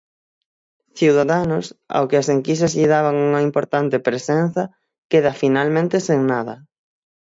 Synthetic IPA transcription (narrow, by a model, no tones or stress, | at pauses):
θiwðaðanʊsa̰wkɪaseŋkisɐzʎiðaβaŋuŋɐimpoɾt̪ant̪epɾesen̟θɐ | keðɐfinalmẽnt̪eseŋnaðɐ̰